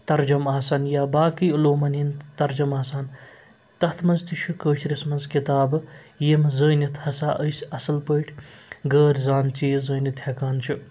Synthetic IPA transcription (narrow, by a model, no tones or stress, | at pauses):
t̪ɐɾd͡ʒɐmaːsanjaːbaːkiuloːmɐnint̪ɐɾd͡ʒɐmaːsaːn | t̪ɐt̪ʰmɐnzt̪iʃʰukəːʃɾismɐnzkit̪aːb | jemzəːnit̪ʰhɐsaʔəjsɐsɐlpəjʈʰɡəːɾʲzaːnt͡ʃiːzəːnit̪ʰjɐkaːnt͡ʃʰu